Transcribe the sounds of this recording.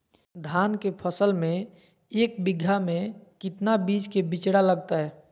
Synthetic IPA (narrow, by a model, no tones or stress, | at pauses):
d̪ʱankepʰəsəlmẽ | eːk̚biɡʱːamẽkɪt̪nabid͡ʒkebit͡ʃɽaləɡt̪aɦɛː